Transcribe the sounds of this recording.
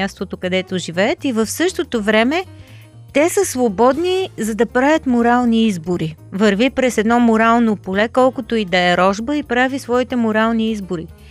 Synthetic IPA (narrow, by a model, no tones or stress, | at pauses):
ast̪ot̪okɐd̪ɛt̪oʒivɛɛt̪ivəfsɤʃt̪ot̪ovɾɛmɛ | t̪ɛsəsvobɔd̪nizɐd̪ɐpɾavʲət̪moɾalˠniizboɾivɐɾvipɾɛsɛd̪nɔmoɾalˠnopolɛkɔlˠkot̪oid̪ɐɛɾɔʒbəipɾavisvɔit̪ɛmoɾalˠniizboɾi